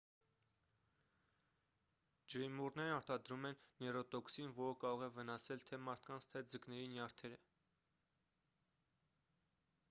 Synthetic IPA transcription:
d͡ʒəɾimuɾnɛɾɑɾt̪ɑd̪ɾumɛnːɛrɔt̪ɔksinvɔɾəkɑɾɔʁɛvənɑsɛlt̪ʰɛmɑɾt̪ʰkɑnt͡sʰt̪ʰɛd͡zəknɛɾinjɑɾt̪ʰɛɾə

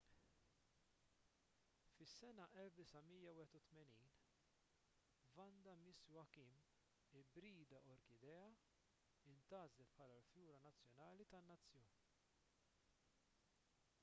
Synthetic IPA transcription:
fɪsːɛnɐʔɛlfd̪ɪsɐmijɐwɪːhɛt̪ut̪mɛniːn | vɐnd̪ɐmɪswɐkim | ɪbɾiːd̪ɐʔɔɾkɪd̪ɛːɐ | ɪnt̪ɐːzlɛt̪̚pʰħɐːlɐlfjuːɾɐnɐt͡sːjɔnɐːlit̪ɐnːɐt͡sːjɔːni

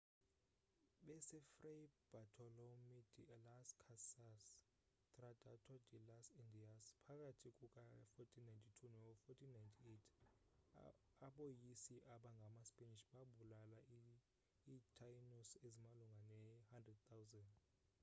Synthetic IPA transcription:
ɓɛsɛfrejb̥atʰɔlomidilaskʰasas | tʼradʱʼatʰɔdilasindʱiaspʰak̬ʼatʰikʼukʼafɔtʰinajntʰʼitʰunɛfɔtʰinajntʰietʰ | aɓojisiʔaɓaŋɡʱamaspʼeniʃɓaɓulala | itʰajnusezimaluŋɡʱanɛhandrɛd̚t̪ʰawzɛnd

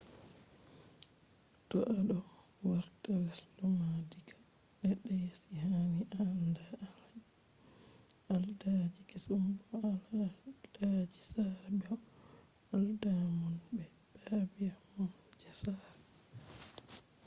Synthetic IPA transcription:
tɔʔaɗɔ | waɾtaɡaslumadikḁ | ɗɛɗɛjasihaniʔanda | aldad͡ʒikisumbɔalld̥ad͡ʒisabiɔ | aldamunbɛ | b̥aːbijahɔn | d͡ʒɛsab

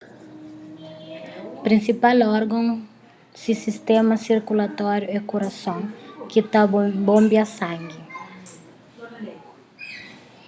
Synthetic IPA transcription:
pɾĩnsipalɔɾɡɐ̃ŋ | sisist̪ɛmɐsiɾkulat̪ɔɾjuɛkuɾɐsõŋkit̪abõmbiɐsãŋɡi

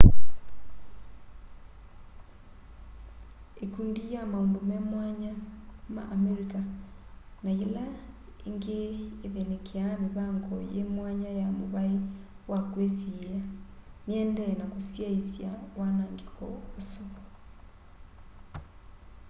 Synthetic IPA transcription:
ekundijamaondomemwaɲama̰ʔːmeɾika | najela | eŋɡeːβenekeameβaŋɡɔjemwaɲajamoβae | wakwesiejaniɛndɛnakosjaisjawanaːŋɡekɔ̰oso

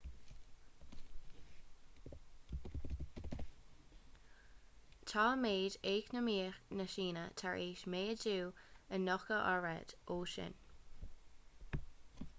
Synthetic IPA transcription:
t̪ʰɑːmeːdeːknəmiːxnəʃiːnət̪ʰaɹʔeːʃmeːəd͡ʒuːənɔkəʔaɹɛ̰d̪̥oːʃɪ̰n

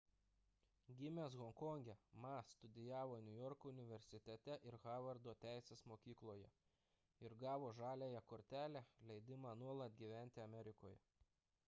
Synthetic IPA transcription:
ɡʲɪmʲesɣɔŋkɔŋʲɡʲɛmɑst̪ʊd̪ʲɪjæːʋoːnʲʊjɔɾkoʊnʲɪʋʲɛɾʲsʲɪt̪ʲɛt̪ʲɛʔɪɾɣɑːʋɐɾd̪oːt̪ʲæˑɪsʲeːsmoːkʲiːklˠoːjɛ̰ | ɪɾɡɑːʋoːʒɑːlʲeːjɛkoːɾʲt̪ʲæːlʲælʲɛɪd̪ʲɪmɑːnuɔlˠɐt̪̚ʲɡʲiːʋʲæˑnʲt̪ʲɪɐmʲɛɾʲɪkoːjɛ

